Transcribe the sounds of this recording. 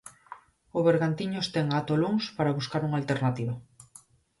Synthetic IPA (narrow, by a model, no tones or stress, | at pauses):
ʊβeɾɣant̪iɲost̪eŋat̪oluŋspaɾaβuskaɾuŋalt̪eɾnat̪iβa